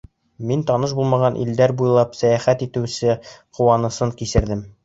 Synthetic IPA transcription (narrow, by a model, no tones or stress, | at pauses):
mint̪ɒnɤʃbulˠmɑʁɑnʔḭld̪æɾbujlˠɑpsæjæχæt̪it̪ɘ̆wsɘquwɑnɤ̆sɤɴkisɘ̆ɾd̪ɘm